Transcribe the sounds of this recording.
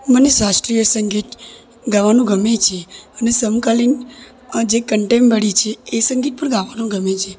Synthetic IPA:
mənesasʈɾijəɾsəŋɡʱiʈ | ɡaʋanũɡʱəmet͡ʃʰeənesəmkalin | d͡ʒekəɳʈembəɽit͡ʃʰeːsə̃ŋɡiʈ̚pəɾɡaʋanũɡʱəmet͡ʃʰe

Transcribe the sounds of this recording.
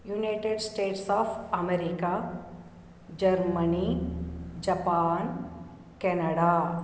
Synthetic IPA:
junaːʈeɖsʈeːʈsɔːfʰɐmeɾika | d͡ʒɐɾməni | d͡ʒɐpaːn | kɛːnəɽa

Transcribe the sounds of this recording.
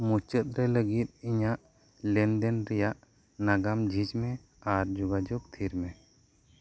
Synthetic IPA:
mut͡ʃət̪̚ɾɛləɡit̪̚ˀiɲaʔ | lɛnd̪ɛnɾɛjaʔ | naɡamd͡ʒʱid͡ʒmɛ | aɾd͡ʒɔɡad͡ʒɔɡ̚t̪ʰiɾmɛ

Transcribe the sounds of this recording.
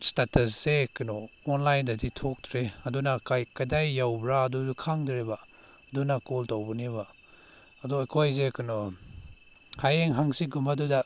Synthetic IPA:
statɐs̬zekɯnɔ | ɔnlajndɐditʰok̚tʰɾeɐdunakajkadajːawbɾaːduukʰaŋdɾeba | dunakoltawbɔniβa | ɐdɔakʰojzekɯnɔ | hajeŋɦaŋsiɡumaduda

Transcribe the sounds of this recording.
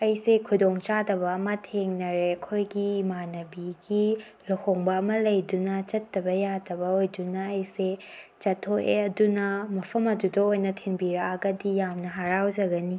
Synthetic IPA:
ɐjsekʰudoŋt͡ʃadɐbɐːmɐtʰeŋnɐɾeɐkʰojɡimanɐbiɡi | lɐhoŋbɐːmɐlɐjdunɐt͡ʃɐtːɐbɐjadɐbɐojdunɐːjset͡ʃɐtʰoʔeɐdunɐmɐpʰɐmɐdudɐojnɐtʰeŋbiɾɐaɡɐdijamnɐɦaɾawd͡ʒɐɡɐni

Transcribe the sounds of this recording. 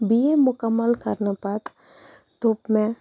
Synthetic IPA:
biemʊkəmːəlkəɾnəpat̪ | t̪uːpmẽ

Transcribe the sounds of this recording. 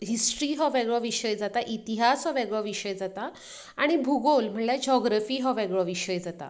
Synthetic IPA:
ɦisʈɾiːɦɔʋeɡɭɔʋiɕəjd͡zat̪aʔit̪iɦasɦɔʋeɡɭɔʋiɕəjd͡zat̪a | aɽ̃ibʱuɡolm̤əɳljad͡ʑɔɡɾafiːɦɔʋeɡɭɔʋiɕəjd͡zat̪a̰

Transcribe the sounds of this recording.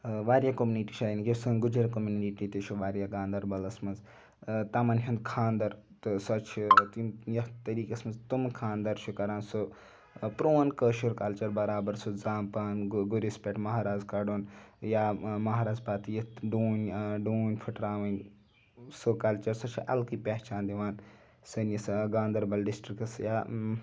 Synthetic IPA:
ʋaːɾjakomuniʈiʃɐinikʲesuɡud͡ʒɐɾkomunniʈit̪iʃʰuʋaːɾijaɡaːnd̪ɐɾbɐlɐsmɐnz | t̪ɐmɐnɦʲɐnd̪kʰaːnd̪ɐɾ | t̪sɐt͡ʃʰt̪imjɐt̪ɐɾiːkɐsmɐnzt̪umkʰaːnd̪ɐɾt͡ʃʰukɐɾaːnsu | pɾoːnkəʃuɾkɐlt͡ʃɐɾbɐɾaːbɐɾsud͡zaːmpaːnɡuɾispʲeʈmɐɦaːɾaːzkɐɖoːnjaːmɐɦaːɾaːzpaːt̪ijɐɖuːnʲɖuːnʲpʰuʈɾaːʋɐnʲ | sukɐlt͡ʃɐɾsɐt͡ʃʰʔɐ̰lkiːpeɦt͡ʃaːnd̪iʋaːn | sɐnjisɡaːnd̪ɐɾbɐlɖisʈɾikɐsjaː

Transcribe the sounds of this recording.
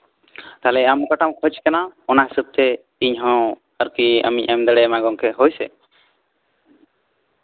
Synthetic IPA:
t̪alɛamkaʈamkʰɔt͡ʃkanaɔnaɦisub̚t̪ɛ | iɲɦɔ̃ | əɾkia̰mḭc̚ˀamd̪ɛɽɛmaɡɔŋkɛɦojsɛ̰

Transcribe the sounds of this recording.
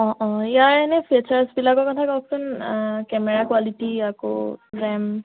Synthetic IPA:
ɔ̃ʔɔ̃ijaɹɛnɛpʰet͡ʃaɹsbilakɔkɔtʰakɔk̚sʊnkɛmɛɹakwalitiako̰ɹɛm

